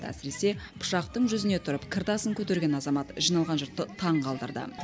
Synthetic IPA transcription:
æ̰sɪɾe̞se̞pʰʊ̥ʃɑq̚t̪əɴʒʏzɪne̞t̪ʰʊɾəpkʲʰɪɾt̪ɑsəŋkʲʰɵt̪e̞ɾɡʲe̞nɑzɑmɑt̪ʒijnɑlˠʁɑnʒʊɾt̪ːət̪ʰɑɴqʰɑlˠd̪ə̰ɾd̪ə̰

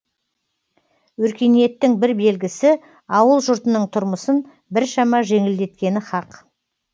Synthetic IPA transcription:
wɵɾkʲe̞nije̞t̪ːɪŋbɪɾbe̞lɡʲɪsɪ | ɑwəlˠʒʊɾt̪ənəɴt̪ʰʊɾməsən | bɪɾʃɑmɑʒe̞ŋɪld̪e̞t̪̚kʲe̞nɪχɑq

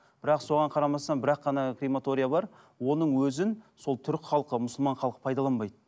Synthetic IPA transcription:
b̥ɪɾɑqso̞ʁɑɴqʰɑɾɑmɑst̪ɑnbɪɾɑqːɑnɑkremat̪o̞ɾʲijabɑɾ | wo̞nəɴwɵzɪnso̞lˠt̪ʰʏɾɪkʲχɑlˠqəmʊsəlˠmɑɴχɑlˠqə̥pʰɑjd̪ɑlˠɑnbɑjd̪ə

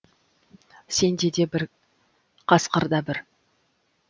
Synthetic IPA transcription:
se̞nd̪e̞d̪e̞bɪɾ | qʰɑsqəɾd̪ɑbɪɾ

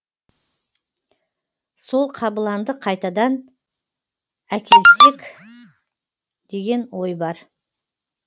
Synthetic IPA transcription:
so̞lˠqʰɑbəlˠɑnd̪əqʰɑjt̪ɑd̪ɑn | ækʲe̞lt̪ɪkʲ | d̪̥e̞ɡʲe̞nwojbɑɾ

